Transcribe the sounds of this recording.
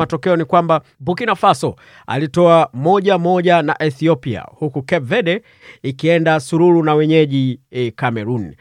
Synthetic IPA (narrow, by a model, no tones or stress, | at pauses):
atɔkɛɔnikwamba | bukinafasɔ | a̰litɔamɔʄamɔʄanaʔɛθiɔpia̰hukukɛvɛdɛ | ikiɛndasuɾulunawɛɲɛʄikamɛɾuni